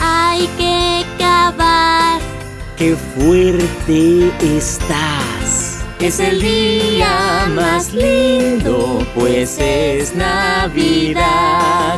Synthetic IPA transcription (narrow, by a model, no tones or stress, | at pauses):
ajkekaβaɾ | kefweɾt̪eest̪aseseliamazlind̪opweseznaβiða